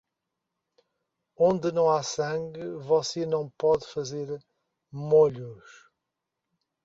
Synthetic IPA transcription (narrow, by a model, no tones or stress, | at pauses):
õnd̪ɨnɐ̃w̃asɐ̃ŋɡɨvɔsenɐ̃w̃pɔðfɐzeɾ | moʎuʃ